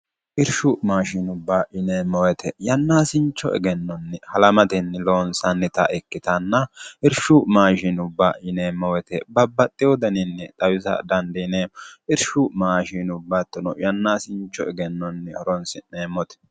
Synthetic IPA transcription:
ʔɪɾʃʊmaːʃɪnʊbːaːʔɪneːmɔwɛt̪ɛjɐnːaːsɪnt͡ʃːɔ̰ʔɛ̰ɡɛnːɔnːɛhɐlɐmɐt̪ɛnːɪloːnsɐnːɛt̪ɐ̰ʔɛkːɪt̪ɐnːɐɪɾʃʊmaːʃɪnʊbːaːʔɪneːmːɐwɛt̪ɛbɐbːɐt̪ʼːɪjɔd̪ɐnɪnːɛt̪ʼɐwɪzɐ̰d̪ɐnd̪ineɪɾʃʊmaːʃinʊbːat̪ːɔnɔjɐnːaːsɪnt͡ʃːɔ̰ɛɡɛnːɔnːɛhɔɾɔnsɪneːmːɔt̪ɛ̥

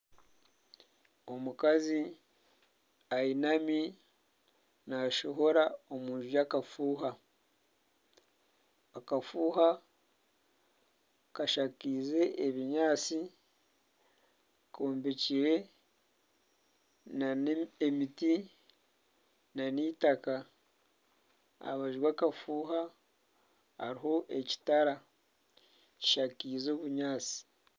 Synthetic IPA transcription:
omukazi | ainami | naʃoɦo̞ɾaomuːnʒujakafuːɦa | kafuːɦa | kaʃakize̞ʔeβiɲaːt͡si | kʰoːmbeciɾe̞ | naemiti | naniːtaka | a̰βaʒɾwaːkafuːɦa | a̰ɾiɦo̞ʔe̞ci̥taɾa | ci̥ʃakiːzo̞ːβuɲaːt͡si̥

